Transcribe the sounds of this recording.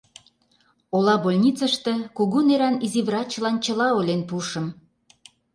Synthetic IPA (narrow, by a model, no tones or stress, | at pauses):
olɑbolʲnʲit͡səʃt̪ĕkuɣuneɾɑniziβrɑt͡ɕəlɑnt͡ɕə̆lɑolʲenpuʃə̆m